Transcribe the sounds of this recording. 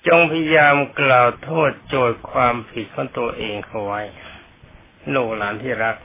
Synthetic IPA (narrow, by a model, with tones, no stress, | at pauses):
t͡ɕo˧ŋpʰa˧ja˧jaː˧mklaː˨˩wt̪ʰoː˥˩t̪̚t͡ɕoː˨˩jkʰwaː˧mpʰi˨˩t̪̚kʰɔː˩˦ŋt̪u˧ɐʔeː˧ŋkʰa˧˩wwa˦˥j | noː˧˩klaː˩˦˥nt̪ʰiː˥˩ɾa˦˥k̚